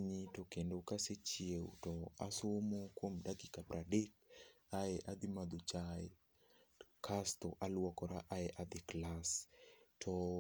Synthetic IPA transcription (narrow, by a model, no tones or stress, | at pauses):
ɲitokendokaset͡ʃiew̰tɔa̰somokwomdakikapɾadek̚ | aɛʔad̪ɪmad̪ot͡ʃae | kʰast̪oʔalwɔkɔɾaʔaɛʔad̪ɪklastʰɔ